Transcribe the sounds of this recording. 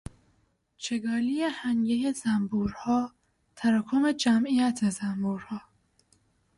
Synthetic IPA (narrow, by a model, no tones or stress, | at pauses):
t͡ʃʰeɡɒːlijehæŋɟejezæmbuːɾhɒː | t̪ʰæɾɒːkʰome̞d͡ʒæmijæt̪ʰezæmbuːɾhɒː